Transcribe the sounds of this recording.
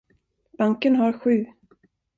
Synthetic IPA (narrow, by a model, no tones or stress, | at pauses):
b̥aŋkənɦaɾɧʉ̟ː